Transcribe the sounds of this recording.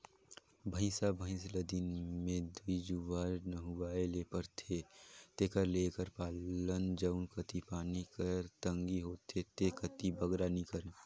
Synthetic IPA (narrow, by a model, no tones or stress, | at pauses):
bʱə̃ɪ̃sabʱə̃ɪ̃sləd̪inmẽd̪uid͡ʒuʋaːɾnəɦʊaːelepəɾt̪ʰet̪eːkəɾlekəɾpaːlənd͡ʒəʊnkət̪ipaːnikəɾt̪ə̃ŋɡiɦoːt̪ʰːet̪ekət̪ibəɡɾanikəɾẽː